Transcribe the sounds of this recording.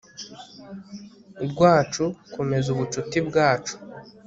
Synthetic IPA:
bɡwaːt͡ʃukome̞zuβut͡ʃutibɡaːt͡ʃu̥

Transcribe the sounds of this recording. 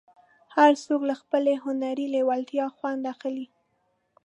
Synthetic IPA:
haɾsoklaxpəleɦʊnaɾilewalt̪jɑxwand̪axəli

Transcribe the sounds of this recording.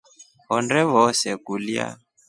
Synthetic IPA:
ɦɔndɛβɔsɛkulia̰

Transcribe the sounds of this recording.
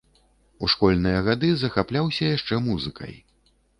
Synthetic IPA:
uʂkɔlʲnɨjɐɣad̪ɨzɐxaplʲawsʲɐjaʂt͡ʂɛmuzɨkɐ̰j

